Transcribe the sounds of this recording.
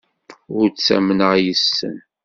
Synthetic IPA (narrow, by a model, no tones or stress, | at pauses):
ʊɾt͡sːæ̰mnəʁjəsːə̰n